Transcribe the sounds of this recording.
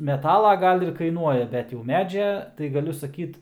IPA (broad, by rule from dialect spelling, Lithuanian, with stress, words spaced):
mʲɛˈtɑːlˠɐ ˈɡɐlˠ ɪr kɐɪˈnuɔjɛ ˈbʲɛt jɛʊ ˈmʲæːd͡ʒʲɛ tɐɪ ɡɐˈlʲʊ sɐˈkʲiːt